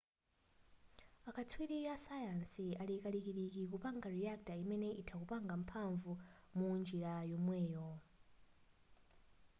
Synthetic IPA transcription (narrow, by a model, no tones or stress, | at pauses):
akʰatʰwiɾijasajansialikalikiɗikikupaŋɡaɾiak̚taimɛnɛʔitʰakupaŋɡam̩pʰaɱvumund͡ʒiɾajɔmwɛːjɔ